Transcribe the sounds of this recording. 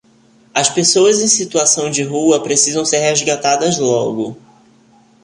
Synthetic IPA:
ɐspesowɐzẽj̃sit̪uasɐ̃w̃d͡ʒɪɦuɐpɾesizɐ̃w̃seɾɦezɡat̪ad̪ɐzlɔɡʊ

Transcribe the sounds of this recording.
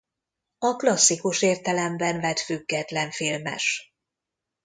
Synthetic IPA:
ɒklɒsːikuʃeːrt̪ɛlɛmbɛnvɛt̪fyɡːɛt̪lɛɱfilmɛ̰ʃ

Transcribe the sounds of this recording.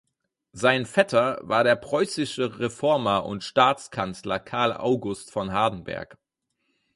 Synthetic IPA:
zaɪnfɛtʰɐva̰ːɐɾeːɐpʁ̥ɔʏsɪʃəʁefɔɐmɐʔʊ̰ntʃtaːt͡skʰanslɐkʰaɐlʔa̰ʊɡʊstfɔnɦaːdn̩bɛ̰ɐk

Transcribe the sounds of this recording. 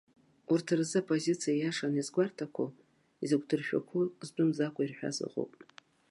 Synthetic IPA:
urtʰɨrzɨapʰʼo̞zit͡sʰijajaʂanizɡʷartʰakʷʰa | izɨkʷʰʼdɨrʃᶣa̰kʷʰuzbʷɨmzakʷʰʼairħᶣa̰zɨ̰qʼo̰wpʼ

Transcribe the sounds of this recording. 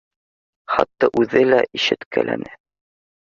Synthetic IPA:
χɑt̪ːɑʔʉðɘlæʔiʃɘt̪kælæ̰nɘ

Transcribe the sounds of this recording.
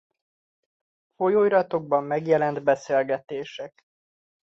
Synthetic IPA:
fo̞joːjɾɒt̪o̞ɡ̚bɒmːɛɡjɛlɛnd̪bɛseːlɡɛt̪eːʃɛk

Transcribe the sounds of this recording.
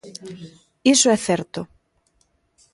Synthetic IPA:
isoɛθɛɾt̪ʊ

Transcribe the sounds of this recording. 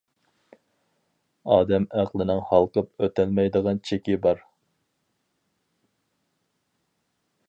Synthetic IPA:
ɑːd̪ɛmæqlˠɪnɪŋhɑlˠqəpøt̪ælmɛjd̪əʁɑnt͡ʃʰekʲibɑɾ

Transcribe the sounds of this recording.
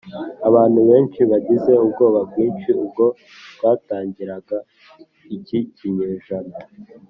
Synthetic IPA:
aβaːn̥huβe̞ːnt͡ʃiβaɟize̞ubɡo̞ːβab̚ɡwiːnʃiub̚ɡo̞ | bɡaːtaːɲɟiɾaɡa | iciciɲeːʒano

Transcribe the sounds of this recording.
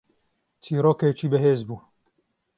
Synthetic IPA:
t͡ʃʰiːɾoːkeːt͡ʃʰiːbɛɦeːzbuː

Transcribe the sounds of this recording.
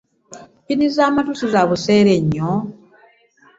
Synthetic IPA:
pinizaːmatusizaβuse̞ːɾeɲːo

